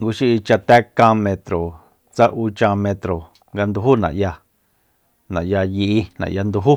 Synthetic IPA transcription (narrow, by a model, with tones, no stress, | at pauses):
ŋɡu˧ʃi˦i˧t͡ʃa˧t̪ɛ˦kã˧mẽ˧t̪ɾo˨ | t͡sa˦ʔu˧t͡ʃã˧mẽ˧t̪ɾo˨ | ŋɡa˧nd̪u˧ɦu˦nã̰˨ʔja˧ | nã˨ʔja˧ji˧i˧nã̰˨ʔja˧nd̪u˧ɦu˦